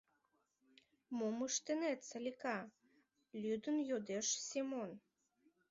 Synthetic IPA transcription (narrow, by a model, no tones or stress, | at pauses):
moməʃt̪enet̪t͡səlʲikɑ | lʲyd̪ənjod̪eʃsʲimon